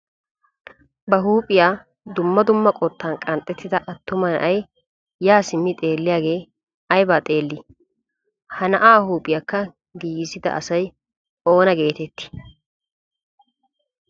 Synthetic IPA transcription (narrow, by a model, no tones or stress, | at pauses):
bɐɦuːpʼɪjaː | d̪ʊmːɐd̪ʊmːɐkʼɔt̪ʰːaːnkʼɐnt̪ʼːɛt̪ʰːɪd̪ɐʔɐt̪ːʊmɐnɐ̰ʔɐj | jaːsɪmːɪt̪ʼe̞ːlːɪjaːɡe̞ː | ɐjbaːt̪ʼe̞ːlːɪ | hɐnɐʔaːhuːpʼɪjakːɐ | ɡiːɡɪzɪd̪ɐ̰ʔɐ̰sɐj | ʔo̞ːnɐɡe̞ːt̪ɛt̪ːɪ̥